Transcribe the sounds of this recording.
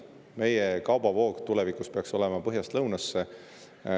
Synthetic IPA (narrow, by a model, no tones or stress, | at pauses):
me̞jekɑwb̥ɑvo̞ːɡt̪ulɛvikuspe̞ɑkso̞lɛ̞mɑpɤɦjɑst̪lɤwnɑsːe